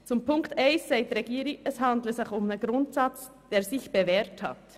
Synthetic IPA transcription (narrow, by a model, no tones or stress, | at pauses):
t͡sʊmpʰʊŋktɛɪnsːaɪtɾeɡiːɾiɛshɑndləzɪçʊmnəɡɾʊntsɑt͡s | d̥eːɾszɪçb̥eveːɾthɑ̰t